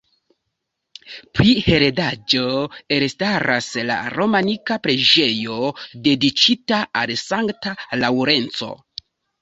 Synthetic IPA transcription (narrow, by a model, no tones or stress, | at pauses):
pɾihe̞ɾedad͡ʒo̞eɾstaɾasla̰ɾo̞manikapɾe̞d͡ʒe̞jo̞de̞dit͡ʃitaalsaŋktalawɾe̞nt͡so̞̰